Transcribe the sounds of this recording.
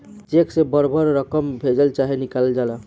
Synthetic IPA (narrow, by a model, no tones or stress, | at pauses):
t͡ʃeksebəɾbʱəɾɾəkəmbʱed͡ʒəlt͡ʃaɦinikald͡ʒala